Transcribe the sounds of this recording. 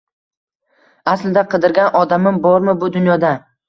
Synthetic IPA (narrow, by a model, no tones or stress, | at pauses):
aslɪd̪aqʰɨd̪ɪɾɡʲanʔɒd̪amɪmbɒɾmɪbʊd̪ʊnjɒd̪a